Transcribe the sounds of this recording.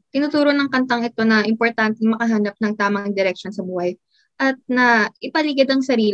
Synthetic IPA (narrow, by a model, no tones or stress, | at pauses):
t̪ɪnuːt̪uːɾonɐŋkɐnt̪ɐŋɛt̪o̞nɐʔɪmpo̞ɾt̪ant̪ɛŋmɐkɐɦaːnɐp̚nɐŋt̪aːmɐŋd̪ɪɾɛk̚ʃo̞nsɐbuːhɐj | ʔɐt̪̚nɐʔɪpɐliɡɪd̪ɐŋsɐɾiːl